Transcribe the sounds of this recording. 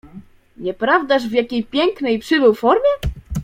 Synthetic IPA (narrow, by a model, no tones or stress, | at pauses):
ɲɛpɾavd̪aʐvjakʲejpʲjɛŋknɛjpʂɘbɘwfɔɾmʲjɛ